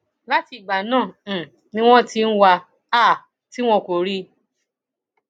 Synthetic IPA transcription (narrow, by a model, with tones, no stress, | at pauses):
la˦ti˧˨ɡ͡ba˨nãː˦˨ | nĩ˦w̃ɔ̃˦ti˧n̩˦wa˧ | a˦˨ | ti˦w̃ɔ̃˧ko˨ɾi˦